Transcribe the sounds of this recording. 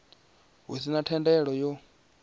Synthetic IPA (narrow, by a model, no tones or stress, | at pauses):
ɦṵsinatʰɛndɛɺɔjɔ